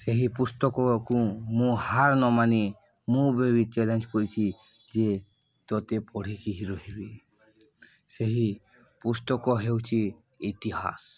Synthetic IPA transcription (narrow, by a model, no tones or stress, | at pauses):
seɦipust̪ɔkɔkũmũhaɾnɔmani | mũbebit͡ʃɛlend͡ʒkɔɾit͡ʃʰi | d͡ʒe | t̪ɔt̪epɔɽ̤ikiɦiɾɔɦebi | seɦi | pust̪ɔkɔɦewt͡ʃʰi | it̪iɦa̰s